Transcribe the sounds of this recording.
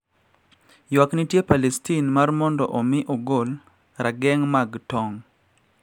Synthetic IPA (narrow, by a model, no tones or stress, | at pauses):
jwaknitjepalɛstinmarmɔndɔʔɔmɪʔɔɡol | ɾaɡɛŋmaɡtɔŋ